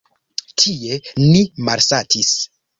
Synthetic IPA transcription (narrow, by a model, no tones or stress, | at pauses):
tʰie̞nimaɾsatʰis